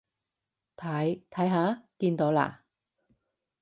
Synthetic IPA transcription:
t̪ʰɐ˨˥jt̪ʰɐ˨˥jɦaː˨˥kiː˧nt̪o˨˥wla̰ː˧

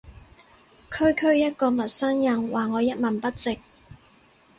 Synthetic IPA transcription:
kʰɵ˥ɥkʰɵ˥ɥjɐ˥t̚kɔː˧mɐ˨t̚sɐ˥ŋjɐ˧ŋwaː˨˩ŋɔː˨˧jɐ˥t̚mɐ˨˩npɐ˥t̚t͡sɪ˨k̚

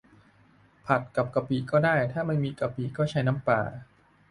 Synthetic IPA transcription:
pʰa˨˩t̪̚ka˨˩p̚ka˨˧˩piː˨˩kɔː˥˩daː˥˩jt̪ʰaː˥˩ma˧nmiː˧ka˧˩pi˨˩kɔː˥˩t͡ɕʰa˦˥jna˦˥mpa̰ː˨˩

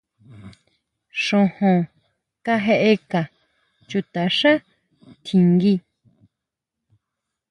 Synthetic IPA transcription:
ʂõ˧hõ˧ | ka˦ɦe˦˧ʔe˧ka˨ | t͡ʃu˧t̪a˨ʃã˦ | t̪ʰi˨ŋɡi˧

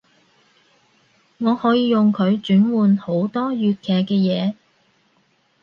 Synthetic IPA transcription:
ŋɔː˨˧hɔː˨˥jiː˧jʊ˨ŋkʰɵ˨˧ɥt͡ʃyː˨˥nwuː˨nho˨˥wt̪ɔː˥jyː˧t̚kʰɛː˨kːɛː˧jɛː˨˧

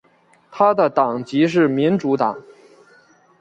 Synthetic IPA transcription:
t̪ʰa˥d̪ə˨t̪ɑ˨˩ŋt͡ɕi˧˥ʂ̬ɻ̩˥˩mi˧˥nʈ͡ʂu˧˥t̪ɑ˨˩˦ŋ

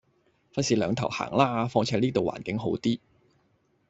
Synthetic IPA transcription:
fɐ˥siː˧lœː˨˧ŋt̪ʰɐ˨˩wha̰ː˨˩ŋlaː˥fɔː˧ŋt͡sʰɛː˨˧˥liː˥t̪o˨wa̰ː˨˩nkɪ˨˥ŋɦo˨˥wt̪iː˥

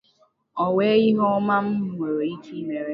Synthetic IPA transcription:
ɔ˨we˦i˦ɦɔ˦ma˦m̩˦ŋʷo˨ɾo˨i˦ti˦me˨ɾe˦

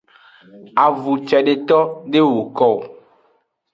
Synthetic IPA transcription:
a˨vu˨t͡ʃɛ˨ɖe˨t̪ɔ˦ɖe˦wo˨kɔ˦˨w

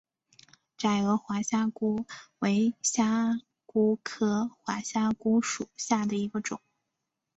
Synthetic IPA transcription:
ʈ͡ʂa˨˩ɪɤ˧˥xwa˧˥ɕja˥˩ku˥we˧˥ɪɕja˥ | ku˥kʰɤ˥xwa˧˥ɕja˥ku˥ʂu˨˩ɕja˥˩d̪ə˩i˧˥ɡə˧ʈ͡ʂʊ˨˩˦ŋ

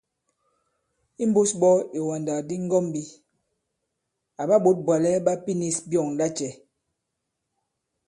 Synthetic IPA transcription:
i˦m˦bo˦sbɔ˦e˨wa˨nda˨di˦ŋ˦ɡɔ˦mbi˦ | a˨ba˦ɓo˨˦t̚bwa˨lɛ˦ɓa˦pi˦ni˦sbjɔ˦˨ŋla˦t͡ʃɛ˨

